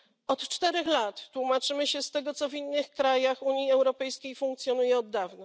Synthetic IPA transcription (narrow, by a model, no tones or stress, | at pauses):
ɔt̪t͡ʂt̪ɛɾɛxlat̪ːwumat͡ʂɘmɘɕɛst̪ɛɡɔt̪sɔvinːɘxkɾajaxuɲjiɛwɾɔpɛjskʲejfũŋkt̪sʲjɔnujɛɔd̪ːavna